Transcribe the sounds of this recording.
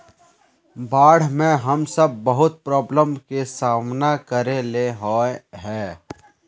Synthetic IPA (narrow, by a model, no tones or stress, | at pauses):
baːɽ̤mẽɦɐmsəb̚ːɐɦʊt̪̚pɾɔːbləmkesaːmnakəɾeleɦɔːeɦɛː